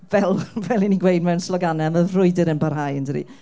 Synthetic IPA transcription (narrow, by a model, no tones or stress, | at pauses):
vɛlˠvɛlˠiniɡwejdmɛwnslɔɡanɛməðrʊɨdəɾənbarɦajəndəɾḭ